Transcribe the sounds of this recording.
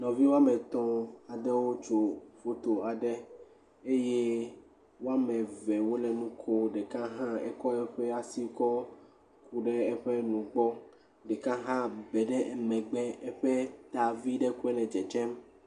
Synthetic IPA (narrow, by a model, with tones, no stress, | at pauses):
nɔ̃˨vi˦wo˦a˦mɛ̃˨t̪ɔ̃˦a˨ɖɛ˦wo˦t͡ʃo˨fo˦t̪o˨a˨ɖɛ˦ | e˦je˦ | wo˦a˦mɛ̃˨vɛ˨wo˦lɛ˨nũ˦kʰo˦ɖɛ˨kã˦ɦã˦ɛ̰˦kɔ˦ɛ˦ɸɛ˦a˨si˦kɔ˦ | ku˦ɖɛ˦ɛ˦ɸɛ˦nũ˨ɡ͡bɔ˦ | ɖɛ˨kã˦ɦã˦bɛ˨ɖɛ˦ʔɛ˨mɛ̃˨ɡ͡bɛ˦ɛ˦ɸɛ˦t̪a˨vi˦ɖɛ˦ku˦ɛ˦lɛ˨d͡ʒɛ˨t͡ʃɛ˦m